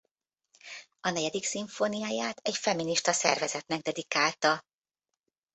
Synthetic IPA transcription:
ɒnɛɟɛd̪iksiɱfo̞nijaːjaːt̪ɛcfɛminiʃt̪ɒsɛ̰rvɛzɛt̪nɛɡ̚d̪ɛd̪ikaːlt̪ɒ

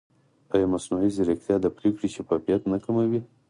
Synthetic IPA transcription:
pajemasnuiziɾɪxt̪jɑd̪apɾekɽiʃafɑfijat̪nakamawi

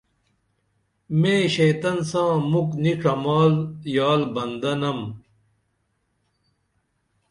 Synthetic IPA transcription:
mẽːɕejt̪ɐnsãːmukniʈ͡ʂʰɐmaːljaːlbɐnd̪ɐnɐm

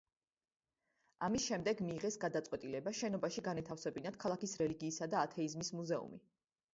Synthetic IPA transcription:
amisʃɛmd̪ɛɡmiːʁɛsɡad̪at̪sʼqʼwɛt̪ʼilɛbaʃɛnɔbaʃiɡanɛt̪ʰafsɛbinat̪̚kʰalˠakisɾɛliɡiːsad̪aːt̪ʰɛizmismuzɛṵmi

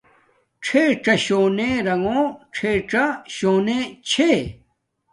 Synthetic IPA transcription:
ʈ͡ʂʰeʈ͡ʂɐɕoːnẽɾɐŋõːʈ͡ʂʰeːʈ͡ʂaɕoːnẽt͡ɕʰe

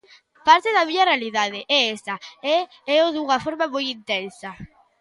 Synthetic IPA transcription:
paɾt̪ɪðamiɲarealið̞að̞eʔɛesaɛ | ɛoðuŋafoɾmamojint̪ensa

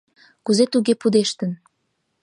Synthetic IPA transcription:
kuzet̪uɣepud̪eʃt̪ən

